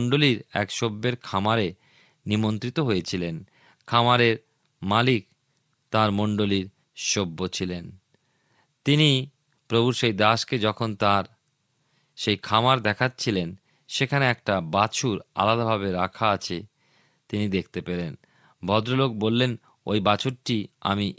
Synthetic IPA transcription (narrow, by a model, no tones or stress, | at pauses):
ɳɖoliɾɛ̰kʃobːeɾkʰamaɾe | nimont̪ɾit̪oɦojet͡ɕʰilen | kʰamaɾeɾ | malik̚ | t̪aɾmoɳɖoliɾ | ʃobːot͡ɕʰilen | t̪ini | pɾobʱuɾʃejd̪aʃked͡ʑɔkʰont̪aɾ | ʃejkʰamaɾd̪ɛkʰat̪ːt͡ɕʰilen | ʃekʰaneɛk̚ʈabat͡ɕʰuɾa̰lad̪abʱabeɾakʰaat͡ɕʰe | t̪inid̪ek̚ʰt̪epeɾen | bʱɔd̪ɾolok̚bolːen | o̰jbat͡ɕʰoɾʈia̰mi